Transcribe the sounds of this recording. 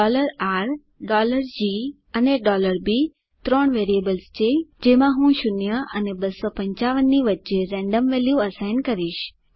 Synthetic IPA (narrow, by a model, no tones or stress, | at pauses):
ɔləɾaɾ | ɖɔləɾd͡ʑi | əneɖɔləɾbi | t̪ɾɔɳ̃ʋeɾiebəlst͡ɕʰed͡ʑemãɦũʃʊnjəʔənebəsɔpə̃ɲt͡ɕaʋənːiʋətːt͡ʃeɾɛ̃ɳɖəmʋeljuəsaɪnkəɾiʃ